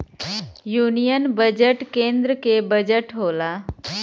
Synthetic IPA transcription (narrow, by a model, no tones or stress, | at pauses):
junijənbəd͡ʑəʈkend̪ɾəkebəd͡ʑəʈɦola